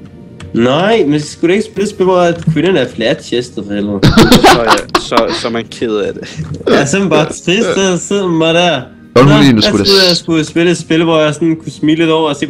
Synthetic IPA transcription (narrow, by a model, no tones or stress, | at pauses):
nɑɪ̰mensɡ̥uɾ̥ue̝ɡ̥sb̥elə̥sb̥elʋɒæ̥kʰʋenən̩æɐflæɐd̥ɕesd̥ɐfhelð̩ˠ | sɒsɒmænkʰeðˠæd̥ejæsɔmnb̥ɑ̈ːt͡sʰʁisd̥sɒseð̰ˠmɑɪɾæɐ̰̥ | ɒinsʁuðˠjasɡ̥usb̥e̝le̥sb̥e̝ləʋɒjɑ̈ɪsɒnkʰusmiːle̝d̥ɒʊ̰ɐɒse̝̰ː